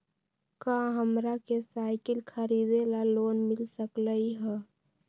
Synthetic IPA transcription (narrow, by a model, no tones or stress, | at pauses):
kaɦəmɾakesaːɪkəlkʰəɾiːd̪elaloːnmɪlsəkləiɦɛ̃